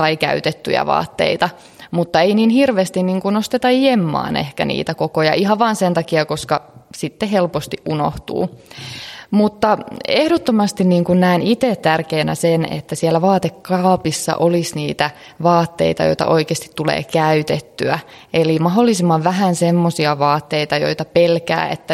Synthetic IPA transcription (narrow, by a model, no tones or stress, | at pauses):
ɑikæ̰yt̪et̪ːy̰jæ̰ʋɑ̰ːt̪ːḛit̪ɑ | mut̪ːɑeiniːnhirʋeːst̪inniːŋkunost̪et̪ɑjemːɑ̰ːnḛhkæ̰nḭːt̪ækokojɑ̰ʔiɦɑʋʋɑːnsent̪ɑkiɑkoskɑsit̪ːehelpost̪iʔʔuno̰ht̪ṵː | mut̪ːɑehɾot̪ːomɑst̪inniːŋkunnæinit̪et̪t̪ærkeːnæ̰senḛt̪ːæsiælːæʋɑːt̪ekːɑːpisːɑ̰ʔolisniːt̪æ | ʋɑːt̪ːḛit̪ɑjo̰jt̪ɑ̰ʔoikeːst̪i̥t̪tulḛːkæyt̪et̪ːyæ | elimɑɦolːisimːɑʋʋæɦænsemːosiɑʋɑːt̪ːeit̪ɑjo̰it̪ɑpelkæ̰ːḛt̪ːæ